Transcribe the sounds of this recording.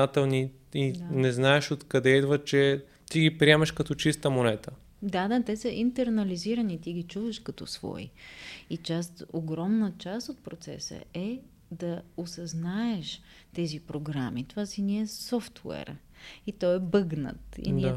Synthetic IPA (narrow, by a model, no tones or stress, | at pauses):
at̪ɛlˠni | inɛznaɛʃot̪kɐd̪ɛid̪vət͡ʃɛ | t̪iɡipɾiɛmɐʃkɐt̪ɔt͡ʃist̪əmonɛt̪ə | d̪ad̪at̪ɛsəʔint̪ɛɾnɐliziɾənit̪iɡit͡ʃuvəʃkɐt̪ɔ̰svɔ̰ḭit͡ʃast̪oɡɾɔmnət͡ʃast̪ot̪̚pɾot̪sɛ̰sə̰ɛ | d̪ɐosɐznaɛʃ | t̪ɛzipɾoɡɾamit̪ovasiniɛsɔft̪wɛ̰ɾ | it̪ɔɛbɤɡnə̰t̪ḭni